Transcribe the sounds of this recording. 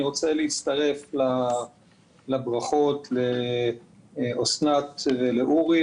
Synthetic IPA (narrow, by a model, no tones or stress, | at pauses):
iʁo̞t͡seleit͡st̪aʁe̞fla | labʁaχo̞tle | osnat̪veleʔuʁi